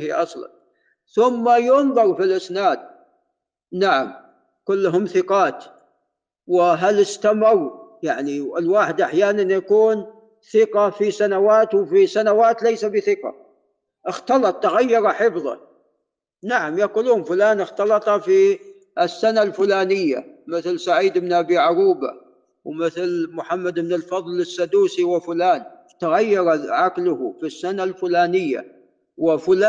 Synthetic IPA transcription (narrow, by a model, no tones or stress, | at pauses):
hiʔɑsˤlɑ̰n | θʊmːajʊnðˤɑɾfilʔɪsnaːd̪̚ | naʕa̰m | kʊlːɦʊmθɪqɑːt̪ | wɪɦalɪst̪amawjaʕniɪlwaːħɪd̪ʔaħjaːnanjakuːn | θɪqɑfisanawaːt̪wfisanawaːt̪lajsabɪθɪqɑ̰ | ʔɪxt̪ɑlɑt̪ˤːaɣajːɑɾˤɑħɪfðˤɑ̰ | naʕamjaquluːʊmfʊlaːnɪxt̪ɑlɑt̪ˤɑfi | ɪsːanalfʊlaːnɪjːa̰mɪθlsaʕiːd̪bɪnʔabiʕaɾuːba̰ | wmɪθlmʊħamːad̪bɪnɪlfɑðˤlɪsːad̪uːsiwɪfʊlaːn | t̪aɣajːɑɾˤɑʕaklʊhʊfisːanalfʊlaːnɪjːa̰ | wɪfʊla